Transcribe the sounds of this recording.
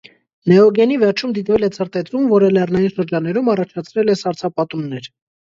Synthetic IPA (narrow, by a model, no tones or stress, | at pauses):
nɛɔɡɛnivɛɾt͡ʃʰumd̪it̪vɛlɛt͡sʰəɾt̪ɛt̪ɾumvɔɾəlɛrnɑjinʃəɾd͡ʒɑnːɛɾumɑrɑt͡ʃʰɑt͡sʰɾɛlɛsɑɾt͡sʰɑpɑt̪unnɛɾ